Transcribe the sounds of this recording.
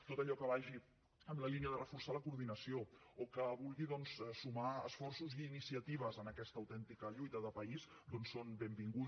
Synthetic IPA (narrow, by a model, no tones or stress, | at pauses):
t̪ot̪əʎɔkəβaʒi | əmləliniəðərəfursaləkuɾð̞inəsiookəβulˠɣiðɔnssumaə̰sfɔrsuziːnisiət̪iβ̞əzənəkɛst̪əwt̪ɛnt̪ikəʎujt̪əðəpəis | d̪onsonbembiŋɡu